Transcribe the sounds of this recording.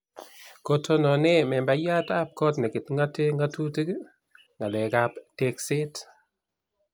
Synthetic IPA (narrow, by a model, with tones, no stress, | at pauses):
ko˨tʰo˦nɔ˨nɛ˦mɛ˨mba˦ja˦ta˦p̚kɔ˦tnɛ˨kɪ˨tŋɡa˦te˦ŋɡa˦tu˦ti˦k | ŋɡa˨lɛ˨ka˦pte˦kse˦t